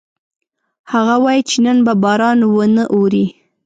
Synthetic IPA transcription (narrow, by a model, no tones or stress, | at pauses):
haɣawɑjit͡ʃenənbabɑɾɑnwənəʔoɾi